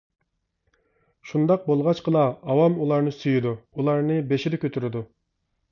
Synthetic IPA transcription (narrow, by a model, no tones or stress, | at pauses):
ʃund̪ɑq̚bolˠʁɑt͡ʃqʰəlˠɑɑwɑmulˠɑɾnɨsyjid̪uulˠɑɾnɨbeʃɪɾɪkʲʰøt̪ʰyɾɪd̪u